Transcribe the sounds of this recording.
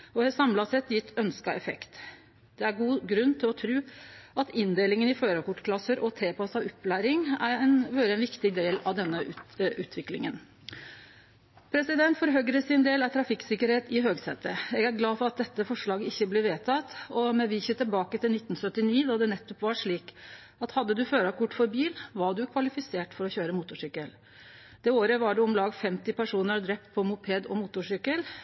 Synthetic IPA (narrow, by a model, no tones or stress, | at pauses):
ɔɛsɑmlɑsɛt̪jɪt̪ʰːœnskɑɛfɛ̰kt̪ | d̪̥ɛæɾɡuːɡɾʉnːt̪ʰɪlɔt̪ʰɾʉːɑt̪ɪnd̪eːlɪŋənɪføːɾəkʊʈːkʰlɑsəɾʔɔt̪ʰeːpɑsɑʋɔpːlæːɾɪŋæɾɛnʋøːɾəɛnʋɪkt̪ɪd̪eːlɑʋd̪ɛnːəʉʉːt̪ʰʋɪklɪ̰ŋən | pʰɾɛsɪd̪ɛnt̪fɔɾɦøɡəɾəsɪnd̪eːlɑt̪ʰɾɑfɪksɪkəɾheːt̪ɪɦøːɡsɛ̰t̪ːəjɛɡæɾɡlɑːfɔɾɑt̪̚d̪ɛt̪ːəfɔʂɭɑːɡəɪçːəblɛːʋeːt̪ʰɑt̪ɔmɛʋiːçət̪ʰɪlbɑːkət̪ʰɪlnɪt̪ːn̩sœt̪ːɪniːd̪ɑd̪ɛnɛt̪ːɔpʋɑʂɭiːk | ɑt̪hɑd̪ːəd̪ʉføːɾɑkʰʊʈːfɔɾbiːlʋɑɖʉkʰʋɑlɪfɪseːʈfɔɾɔçøːɾəmuːt̪ʊʂʏkːəl | d̪̥ɛoːɾəʋɑɖɛʊmlɑːɡfɛmt̪ɪpæʂuːnəɾd̪ɾɛp̚t̪̚pʰɔmʊpʰeːd̪ɔ̰muːt̪ʊʂʏkəl